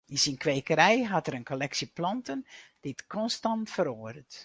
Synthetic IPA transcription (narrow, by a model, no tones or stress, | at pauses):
ɪnsinkʋeːkəɾɛjɦɑtəɾənkolɛksiplɑntənd̥ɪtkɔnstɑntfəɾoːdət